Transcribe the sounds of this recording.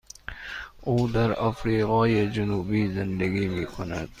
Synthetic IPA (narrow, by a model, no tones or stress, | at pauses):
uːd̪aɾafɾiːɣɑːjed͡ʒʊnuːbiːzɪnd̪æɡiːmiːkʰona̰d̪̥̚